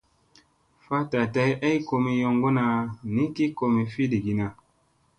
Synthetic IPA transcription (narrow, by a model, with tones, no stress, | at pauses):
fa˦ta˨ta˧˦jʔa˦i˦ko˧mi˨jo˧ŋɡo˦na˧ni˦ki˦ko˧mi˨fi˦di˨ɡi˨na˨